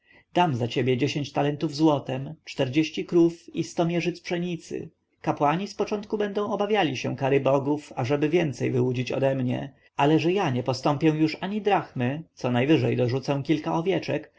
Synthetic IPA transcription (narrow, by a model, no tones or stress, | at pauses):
d̪̥amzat͡ɕebʲjɛd͡ʑeɕeɲt͡ɕt̪alɛnt̪uvzwɔt̪ɛmt͡ʂt̪ɛɾd͡ʑeɕt͡ɕikɾufist̪ɔmʲjɛʐɘt̪spʂɛɲit̪sɘ̰ | kapwaɲispɔt͡ʂɔnt̪̚kubɛnd̪ɔ̃w̃ɔbavʲjalʲiɕɛ̰̃kaɾɘbɔɡufaʐɛbɘvʲjɛnt̪sɛjvɘwud͡ʑit͡ɕɔ̰d̪ɛmɲɛ̰ | alɛʐɛjaɲɛpɔst̪ɔmpʲjɛw̃juʂaɲid̪ɾaxmɘt̪sɔnajvɘʐɛjd̪ɔʐut̪sɛw̃kʲilkaʔɔvʲjɛt͡ʂɛ̰k